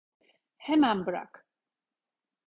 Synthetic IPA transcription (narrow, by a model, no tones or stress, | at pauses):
hɛmambɾa̰k